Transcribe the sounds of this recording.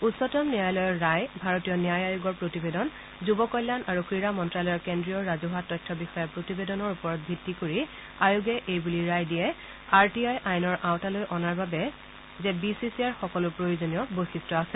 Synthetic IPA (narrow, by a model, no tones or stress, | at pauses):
utsɔtɔmniajlɔjɔɹajbʱaɹotijɔniajajʊɡɔɹpɹotibedɔn | zubɔkɔjlːanaɹukɹiɹamɔntɹalɔjɔɹkendɹijɔɹazuɦatːɔjtʰːɔbixɔjɛpɹotibedɔnɔɹupɔɹɔt̚bʱitːikoɹi | ajuɡɛʔejbuliɹajdijɛ | aɹtiajʔajnɔɹʔawtalojʔɔnaɹbabɛ | zɛbisisiaɹxɔkɔlʊpɹojozonijɔbojsistɔasɛ